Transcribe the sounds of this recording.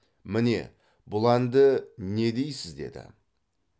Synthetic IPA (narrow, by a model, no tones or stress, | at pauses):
mɪne̞̰ | bʊlˠɑnd̪əne̞d̪e̞jsɪzd̪e̞̰d̪ɪ̰